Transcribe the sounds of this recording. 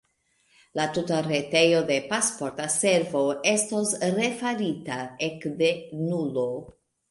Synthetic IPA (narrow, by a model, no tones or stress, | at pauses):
latutaɾe̞te̞jo̞de̞paspo̞ɾtase̞ɾvo̞e̞sto̞sɾe̞faɾitae̞kde̞nulo̞